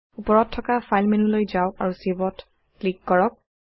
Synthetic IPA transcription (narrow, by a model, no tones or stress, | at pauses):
upɔɹɔtʰːɔkafʰajlmenulojzawaɹusibɔt | klikːɔɹɔk̚